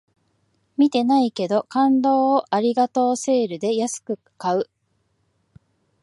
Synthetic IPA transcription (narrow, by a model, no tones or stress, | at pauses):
mʲit̪e̞naike̞d̪o̞kãnd̪o̞ːʔaɾʲiɡat̪o̞ːse̞ːɾɯ̟d̪e̞jasɨ̥kɯ̟ | kaɯ̟